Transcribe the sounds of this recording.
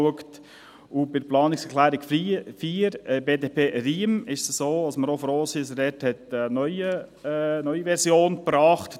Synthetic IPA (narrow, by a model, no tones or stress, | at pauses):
uəkt | ubɪɾplɑːnɪksklæːɾɪkffiːɾɛbeːdepʰeːriːmɪʃsəsoːɑsməɾɔfɾoːsis̬ədɛthɛt̪ənœʏə | nœʏiʋɛɾsjoːnpɾɑːχt